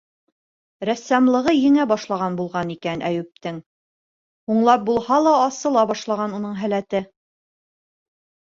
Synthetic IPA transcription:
ɾæsæmlˠɤ̆ʁɤjɘ̆ŋæbɑʃlˠɑʁɑnbulˠʁɑnikænʔæ̰jɘ̆p̚t̪ɘŋ | huɴlˠɑp̚bulˠhɑlˠɑːsɤ̆lˠɑbɑʃlˠɑʁɑnunɤɴɦælæt̪ɘ

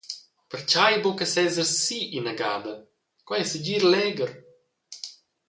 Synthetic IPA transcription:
pəɾt͡ʃajbokəsɛzəɾssiʔinaɡaːd̪ə | kwɛsəɟiːɾlɛɡəɾ

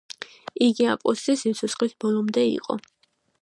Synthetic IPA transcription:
iɡiapʼɔ̰sisit̪sʰut̪sχlisbɔlˠɔmd̪ɛḭqʼɔ̰

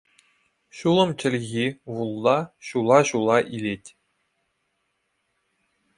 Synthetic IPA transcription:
ɕulˠɤ̆mt͡ɕɘ̆lʲɣʲiʋulˠd̪ɑɕulˠɑɕulˠɑʔilʲetʲ

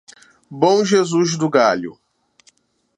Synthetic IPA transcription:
bõw̃ʒezuzd̪ʊɡaʎʊ̰

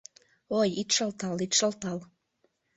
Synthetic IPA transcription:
ojit̪ʃəlt̪ɑlit̪ʃəlt̪ɑl

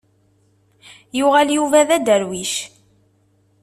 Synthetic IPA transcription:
jʊʁæljuvæðæd̪əɾwiʃ

